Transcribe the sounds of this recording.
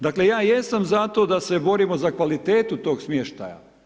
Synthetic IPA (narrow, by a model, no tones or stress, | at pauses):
d̪akle̞jaːjesamzat̪o̞ːd̪ase̞bo̞ɾimo̞zakʋalit̪eːt̪ut̪o̞ːɡsmjeʃt̪a̰ja̰